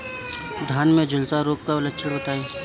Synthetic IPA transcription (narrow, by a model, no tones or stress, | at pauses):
d̪ʱaːnmẽd͡ʒʊlsaɾoːkkaləʃʰəɽbət̪aːiː